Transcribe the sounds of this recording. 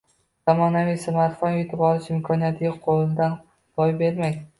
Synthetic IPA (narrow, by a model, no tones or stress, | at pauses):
z̥amɒnavijsamaɾt̪fɒnjʊt̪ʰɪpɒlˠɪʃɪmkʲʰɒnijat̪ʰɡʲaqʰolˠɪd̪an | b̥ɒjbe̞ɾmajʲ